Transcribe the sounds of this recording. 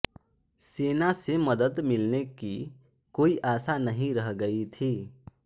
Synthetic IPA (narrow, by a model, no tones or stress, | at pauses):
seːnaseməd̪əd̪mɪlneki | koːiʔaːsanəɦĩɾəɦɡəit̪ʰiː